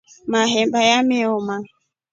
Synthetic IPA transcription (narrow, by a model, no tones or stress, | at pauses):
maɦɛmbajameɔma